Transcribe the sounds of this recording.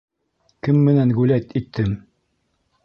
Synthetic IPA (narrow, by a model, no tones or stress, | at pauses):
kɘmːɘ̆næŋɡʉlæt̪it̪ʰːɘm